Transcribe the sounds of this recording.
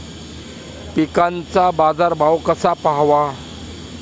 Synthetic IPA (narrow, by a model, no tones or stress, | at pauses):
pikant͡sabad͡zaɾbʱawkəsapaɦʋa